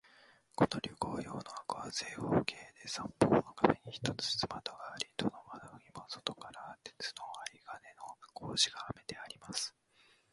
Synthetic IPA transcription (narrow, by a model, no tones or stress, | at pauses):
ko̞noɾʲokoːjo̞ːno̞akɯβaze̞ːhoːkʰe̞ːd̪e̞sãmpoːnokameɲ̟içi̥t̪o̞t͡sɨ̥t͡sɨmat̪o̞ɡaːɾʲit̪onomanoimoso̥t̪o̞kaɾat̪e̥t͡sɨ̥no̞aɾiɡane̞no̞kʰo̞ːʑiɡaːme̞t̪e̞aɾʲimasɨ̥